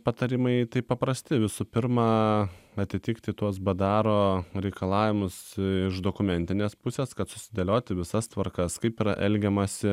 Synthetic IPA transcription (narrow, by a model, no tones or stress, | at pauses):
pɐt̪ɐɾʲɪmɐɪt̪ɐɪpɐpɾɐsʲt̪ʲɪʋʲɪsupʲɪɾmɑːɐt̪ʲɪt̪ʲɪkt̪ʲɪt̪uɔs̬bɐd̪ɑːɾoːɾʲɛɪkɐlˠɑːʋʲɪmʊsɪʃd̪oːkʊmʲɛnʲt̪ʲɪnʲeːspʊsʲeːskɐt̪sʊ̥sʲɪd̪ʲelʲoːt̪ʲɪʋʲɪsɐst̪ʋɐɾkɐskɐɪpiɾɐʔɛlʲɡʲɛmɐsʲɪ